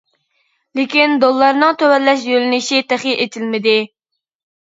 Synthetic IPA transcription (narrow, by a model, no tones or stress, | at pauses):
lekʲind̪olˠːɑɾnɨŋt̪ʰøwɛlːɛʃjølɪnɪʃit̪ʰæχjiʔet̪ʰɪlmɪd̪ɪ